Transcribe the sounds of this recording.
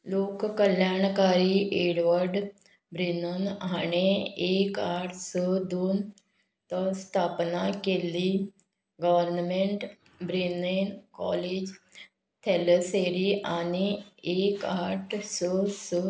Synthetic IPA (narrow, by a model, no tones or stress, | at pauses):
lokkəljaɳkaɾiʔeɽʋəɾɖ | bɾinənañeekaʈʰsəd̪oːn | t̪əst̪ʰapnakeli | ɡəʋəɾnmeɳʈ | bɾinenkɔ̰led͡ʑ | t̪ʰeləseɾiʔaniekaʈʰsəsə